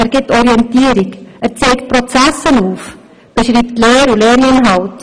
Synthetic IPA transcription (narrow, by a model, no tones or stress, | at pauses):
ɛrɡɪtɔɾiɛntiəɾikərt͡seːkt̚prot͡sæsənuːf | b̥əʃriːptlɛːɾulɛːɾinɦɑwt